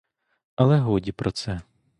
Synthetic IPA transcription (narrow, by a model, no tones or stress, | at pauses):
ɐlˠɛɦɔdʲipɾɔt̪sɛ